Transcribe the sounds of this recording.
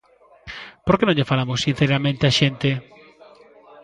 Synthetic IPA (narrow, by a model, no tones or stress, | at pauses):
poɾkenõɲʎefalamʊsːin̟θeɾamẽnt̪eaʃent̪e